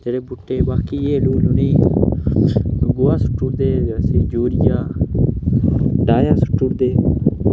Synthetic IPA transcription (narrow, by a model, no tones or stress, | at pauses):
d͡ʒeːɽeːbʊʈːeːbaːkiːeːluːlʊniː | nʊɡʊːaːsʊ̥ʈːʊɾd̪eːsĩːd͡ʒoːɾɪjaː | ɖaːjãːsʊ̥ʈːʊɽd̪eː